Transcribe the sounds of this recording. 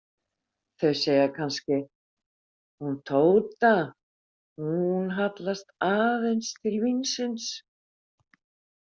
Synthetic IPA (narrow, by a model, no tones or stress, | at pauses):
θœɥseːjakʰanscɪ | hunt̪ʰoːwt̪a | hunɦat̪last̪aːðejnst̪ʰɪlvinsɪns